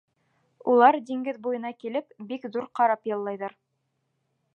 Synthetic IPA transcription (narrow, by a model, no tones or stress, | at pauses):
ulˠɑɾd̪iŋɡɘðbujɤ̆nɑkilɘpbikðuɾqɑɾɑpjɑlˠːɑjðɑɾ